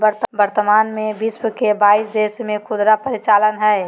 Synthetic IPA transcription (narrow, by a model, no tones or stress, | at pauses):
bəɾt̪bəɾt̪əmaːnmẽbiswəkebaːisd̪eːsmẽkʰʊd̪ɾapəɾit͡ʃaːlənɦɛː